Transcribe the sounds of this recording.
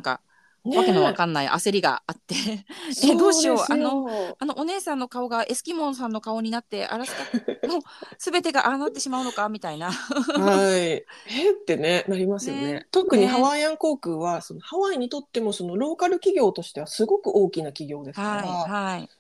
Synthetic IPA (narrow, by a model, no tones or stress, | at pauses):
ãŋka̰ | nβake̞noβakãnːaiʔa̰se̞ɾʲiɡa̰at̪ːe̞ed̪o̞ːɕio̞ano̞ano̞ʔone̞ːsãnːo̞kao̞ɡaʔe̞sɨ̥kʲimõ̞ɰ̃s̬ãnːo̞kao̞ɲ̟inat̪ːe̞ʔa̰ɾaskmoː | sɨbe̞t̪e̞ɡaʔanat̪ːe̞ɕimaɯ̟no̞kamʲit̪ainahaieːt̪ːe̞ne̞naɾʲimasɨjonet̪o̞kɯ̟ɲ̟ihaβajãŋko̞ːkɯ̟ːβaso̞no̞haβaiɲ̟it̪o̞t̪ːe̞mo̞so̞no̞ɾo̞ːkaɾɯ̟kʲiɡʲo̞ːt̪o̞ɕi̥t̪e̞βasɨɡo̞kɯ̟ʔo̞ːkʲinakʲiɡʲo̞ːd̪e̞sakaaiiahai